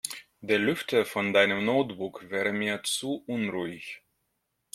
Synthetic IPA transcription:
deːɐlʏftʰəfɔndaɪnəmnoʊtb̥ʊkvɛːʁəmiːɐt͡suʔʊnʁuːɪç

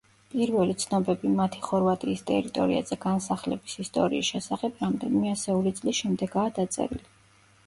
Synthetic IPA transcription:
pʼiɾvɛlit̪sʰnɔbɛbimat̪ʰi̥χɔɾvat̪ʼiːst̪ʼɛ̰ɾit̪ʼɔɾia̰zɛɡ̥ansaχlɛbisist̪ʼɔɾḭisʃɛsaχɛbʰɾamd̪ɛnimɛasɛulit̪sʼlisʃɛmd̪ɛɡaːd̪at̪sʼɛ̰ɾḭli

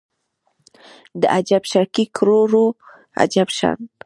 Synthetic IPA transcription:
d̪əʔad͡ʒabʃakikɾoɾo | a̰d͡ʒabʃa̰n

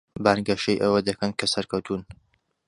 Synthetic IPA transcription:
baːnɡɐʃɐjʔɐwɐd̪ɐkʰɐnkʰɐsɐɾkʰɐwt̪ʰuːn

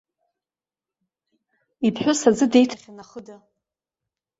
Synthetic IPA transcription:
ipʰħᶣʷʊsad͡zɨdejtʰaχʲanaχəda

